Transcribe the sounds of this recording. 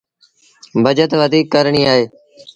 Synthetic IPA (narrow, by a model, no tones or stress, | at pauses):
bəd͡ʒət̪ʋəd̪ʱiːkːəɾɳ̃iːaːɦeː